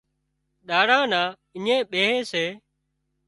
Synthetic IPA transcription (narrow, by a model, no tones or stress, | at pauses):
ɗaːɽãːnãː | ɪɲẽːɓeːɦẽːseː